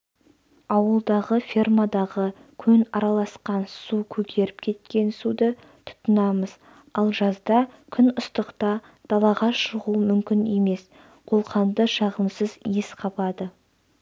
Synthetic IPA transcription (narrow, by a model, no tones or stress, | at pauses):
ɑwəlˠd̪ɑʁəfʲirmad̪ɑʁəkʲʰɵnɑɾɑlˠɑsqɑnsukʲʰɵkʲʰe̞ɾɪp̚kʲʰe̞t̪kʲe̞nsud̪ə | t̪ʰʊ̥t̪ːənɑməz | ɑlˠʒɑzd̪ɑkʲʰʏnʊst̪əqt̪ɑ | d̪̥ɑlˠɑʁɑʃəʁumʏmkʲɪne̞me̞s | qʰo̞lˠqɑnd̪əʃɑʁəmsəzjesqʰɑpɑd̪ə